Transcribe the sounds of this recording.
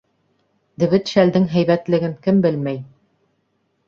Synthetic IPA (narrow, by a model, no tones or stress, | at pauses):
d̪ɘ̆βɘt̪ʃæld̪ɘŋɦæjβæt̪lɘ̆ɡɘŋkɘmbɘlmæj